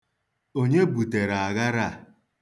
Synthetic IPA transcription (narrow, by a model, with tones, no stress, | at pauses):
o˦ɲe˦bu˨te˨ɾa˨a˨ɣa˦ɾa˦˨